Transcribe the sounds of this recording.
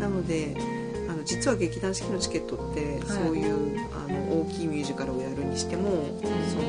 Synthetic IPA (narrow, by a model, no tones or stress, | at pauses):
nano̞d̪e̞ | ano̞d͡ʑit͡sɨβaɡe̞kʲid̪ãɰ̃ɕi̥kʲino̞t͡ɕi̥ke̞t̪ːo̞t̪ːe̞ | so̞ːjɯ̟ː | a̰no̞ʔoːkʲiːmʲɨːʑikaɾao̞jaɾɯ̟ɲ̟iɕi̥t̪e̞mo̞ | soː